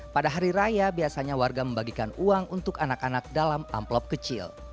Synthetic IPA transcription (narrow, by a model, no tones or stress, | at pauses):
padaɦaɾiɾajabiasaɲawarɡaməmbaɡikanuaŋunt̪ʊkanakanak̚dalama̰mplɔp̚kət͡ʃɪ̰l